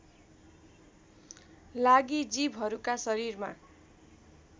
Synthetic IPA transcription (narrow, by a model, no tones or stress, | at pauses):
laɡid͡zibʱɦʌɾukasʌɾirma̰